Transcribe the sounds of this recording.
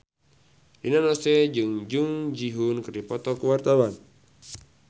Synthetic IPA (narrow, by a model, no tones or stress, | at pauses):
dinanɔsɛd͡ʒɨŋd͡ʒuŋd͡ʒiɦunkɨrdipɔt̪ɔkuwart̪awan